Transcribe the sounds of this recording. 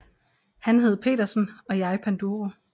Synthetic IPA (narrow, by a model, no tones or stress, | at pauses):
hænɦe̝ð̞̩ˠpʰe̝̰ːdɐsn̩ɒ̽jɑ̈ɪpʰænd̥uʁo